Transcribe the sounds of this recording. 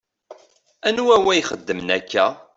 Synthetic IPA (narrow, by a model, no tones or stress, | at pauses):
ænuwæwæjχə̰d̪ːəmnækʰːæ